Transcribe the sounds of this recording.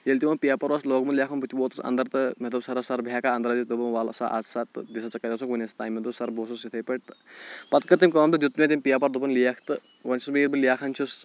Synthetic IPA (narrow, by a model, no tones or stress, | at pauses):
jelʲt̪ʲiʋɐnpijaːpɐɾʋɐsloːɡmɐnljaːkʰɐnbut̪ʰʲiʋoːt̪usɐ̰nd̪ɐɾt̪ɨmʲet̪ubsɐɾɐsɐɾbʱjaːkaːɐnd̪ɐɾad̪id̪ubɐnʋaːlɐ̰sa̰ːʔa̰ːzsaːt̪ɨd̪ʲisɐt͡sɐkːɐt̪ɐsukʋunʲest̪aːjmʲːet̪usɐɾboːsusit̪ʰɐjpɐʈt̪ɨ̥pɐt̪kɐɾt̪imʲkɐːmt̪ɨd̪jut̪ːmʲet̪imʲpijaːpɐɾd̪ubɐnlijakʰt̪ɨ | ʋɐnʲt͡ʃʰusmiːɾbɨlijaːkʰɐnt͡ʃʰus